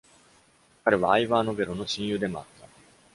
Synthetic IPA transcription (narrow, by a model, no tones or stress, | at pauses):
kaɾe̞βaːiβaːno̞be̞ɾono̞ɕĩɰ̃jɯ̟ːd̪e̞mo̞̰a̰t̪ːa